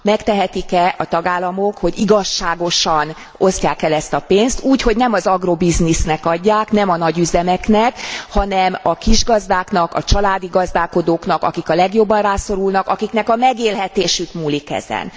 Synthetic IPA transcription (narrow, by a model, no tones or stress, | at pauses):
mɛkt̪ɛɦɛt̪ikɛʔɒt̪ɒɡaːlːɒmo̞kho̞ɟiɡɒʃːaːɡo̞ʃɒn | o̞scaːkɛlɛst̪ɒpeːnst̪uːcho̞ɟnɛmɒzɒɡrobiznisnɛkɒɟːaːknɛmɒnɒɟyzɛmɛknɛkhɒnɛmɒkiʒɡɒzd̪aːknɒkɒ̰t͡ʃɒlaːd̪iɡɒzd̪aːko̞d̪oːkn̪ɒkɒ̰kikɒlɛɡjo̞bːɒnraːso̞ɾulnɒkɒkiknɛkɒmɛɡeːlɦɛt̪eːʃykmuːlikɛ̰zɛ̰n